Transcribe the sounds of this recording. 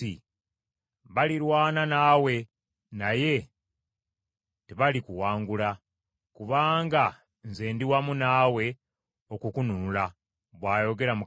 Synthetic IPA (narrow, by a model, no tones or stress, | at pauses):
i | βaliɾwaːnanawe̞ | naje̞ | teβalikuwaːŋɡula | kuβaːŋɡa | nze̞ːndiwamunaːwe̞ | o̞kukununula | βwaːjo̞ɡe̞ɾamu